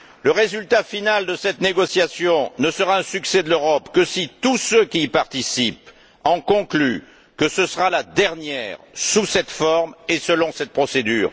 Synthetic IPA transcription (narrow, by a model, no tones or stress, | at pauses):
ləʁezylt̪afinald̪əsɛt̪neɡɔsjasjɔ̃nəsəʁaɛ̃syksɛd̪əløʁɔpkəsit̪usøkʲiːpaʁt̪isip | ɑ̃kɔ̃kly | kəsəsəʁalad̪ɛʁnjɛ̰ʁsusɛt̪fɔʁmesəlɔ̃sɛt̪̚pχɔsed̪y̰ːʁ